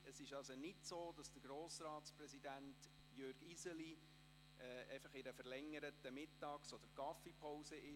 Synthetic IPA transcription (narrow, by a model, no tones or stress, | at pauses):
əsɪʃɑlsonɪtsoːd̥ɑsd̥əɾɡɾoːsɾɑːtsprɛsid̪ænt | jøɾɡ̥izəli | ɛɛ̰ɪfɑχɪɾəfəɾlɛŋːəɾət̪ːəmɪtːɑːksɔd̥̪əɾɡ̥ɑfipʰɔʊsəʔɪ